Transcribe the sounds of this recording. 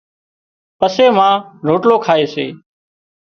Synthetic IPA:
pəseːmãːɾoːʈloːkʰaːeːseː

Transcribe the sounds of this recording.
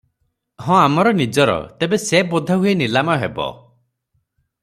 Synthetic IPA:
ɦɔ̃amɔɾɔnid͡ʒɔɾɔ̰t̪ebesebod̪ʱaɦuenilamaɦebɔ̰

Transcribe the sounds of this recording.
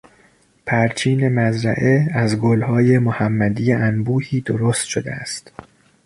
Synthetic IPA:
pʰæɾt͡ʃʰiːne̞mæzɾæ̰ʔeæzɡolhɒːje̞mohæmːæd̪iːjeʔænbuːhiːd̪oɾoːst̪ʃod̪ḛæ̰st̪

